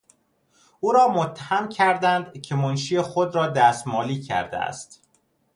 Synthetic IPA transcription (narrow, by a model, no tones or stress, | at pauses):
ʔuːɾɒːmot̪ʰːæhæmcʰæɾd̪ænd̪cʰe̞monʃiːjexod̪ɾɒːd̪æːst̪mɒːliːcʰæ̰ɾd̪ḛæ̰st̪